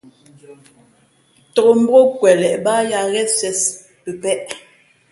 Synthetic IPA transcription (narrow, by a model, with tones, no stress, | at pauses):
tɔ˨ɣo˨m̩˦bo˦kwɛ˨lɛ˨ʔba˦ja˨ɣɛ˦sɥɛ˦s | pə˨pɛ˦ʔ